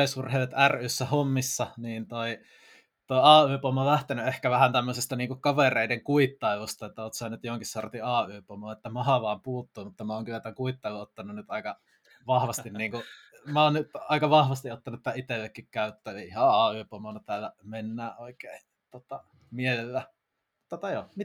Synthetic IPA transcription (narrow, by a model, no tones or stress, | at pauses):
esurheˑiʋet̪æryːsːæhomːisːɑniːnt̪oi | t̪oiɑːyːpomːolæht̪enyehkæʋæhænt̪æmːøsest̪ɑniːŋkukkɑʋereˑideŋkuit̪ːɑiʋust̪ɑet̪ːæoːt̪sɑːnyt̪johoŋkissort̪iɑːyːpomoːet̪ːæmɑhɑʋɑːmpuːt̪ːuːmut̪ːɑmæoːŋkylːˑæt̪æŋkuit̪ːɑˑiʋoot̪ːɑnunnyt̪ɑˑikɑ | ʋɑhʋɑst̪inniːŋku | mæoːnnyt̪ɑˑikɑʋɑhʋɑst̪iʔot̪ːɑnut̪ːæʔit̪elːekːikkæyt̪ːæiihɑɑːyːpomonɑt̪æˑlːæmenːæːʔoikeˑi | t̪ot̪ɑ | mielelːæ | mut̪ːot̪ɑjo